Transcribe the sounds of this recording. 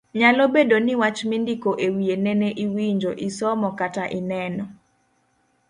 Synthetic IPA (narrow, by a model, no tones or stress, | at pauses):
ɲalobedonɪwat͡ʃmindikoʔewienɛneʔiwiɲd͡ʒoʔisɔmɔkataʔɪnɛnɔ